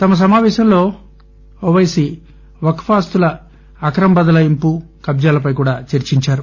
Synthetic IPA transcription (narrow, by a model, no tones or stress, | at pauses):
t̪ɐmɐs̬ɐmaːʋɛːʃɐmlo̞ː | ɔʋɐjsi | ʋɐkfaːst̪ulɐː | kɾɐmbɐd̪ɐlɐimpukɐbd͡ʒaːlɐpɐjkuːɽaːt͡ʃeɾt͡ʃiɲt͡ʃaːɾu